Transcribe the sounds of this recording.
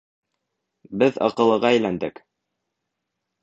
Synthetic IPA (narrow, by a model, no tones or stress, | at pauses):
bɘðɑ̰qɤ̆lˠɤ̆ʁɑæjlænd̪ɘk